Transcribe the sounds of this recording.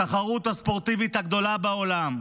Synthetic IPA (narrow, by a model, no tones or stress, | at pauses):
aχaʁut̪haspo̞ʁt̪ivit̪haɡd̪o̞labeo̞lam